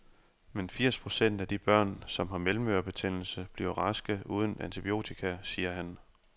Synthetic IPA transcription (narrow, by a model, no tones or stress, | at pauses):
menfiɐ̰spʰʁo̝sen̰d̥æd̥ib̥ɶɐ̰nsɒ̽mɦɑ̈melm̩øːɐb̥e̝t͡sʰen̰l̩səb̥liɐʁɑ̈sɡ̥əʔuːð̞ˠən̩ʔæ̰nt͡sʰib̥io̝̰ːt͡sʰikʰæsiːɐɦæn